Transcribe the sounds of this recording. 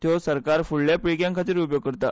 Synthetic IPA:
t̪josəɾkaɾfuɭljapɾikjãŋkʰat̪iːɾup̬joɡ̚kəɾt̪a

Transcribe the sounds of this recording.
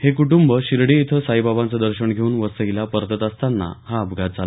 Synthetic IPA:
hekuʈumbəɕiɾɽiːt̪ʰəsaibabãnt͡səd̪əɾɕəɳɡʱeuːnʋəsəilapəɾd̪ət̪əst̪anːa̰haəbɡʱat̪d͡zala

